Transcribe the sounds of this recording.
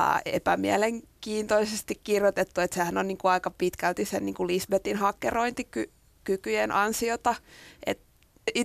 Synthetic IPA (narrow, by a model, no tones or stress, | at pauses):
ḛpæmiæleŋkiːnt̪oisest̪ikkirjot̪et̪ːuet̪sehænonniːŋkuɑikɑpit̪kælt̪isenniːŋkulisbet̪inhɑkːeroint̪iky | kykyjenʔɑnsiot̪ɑʔḛt̪ | i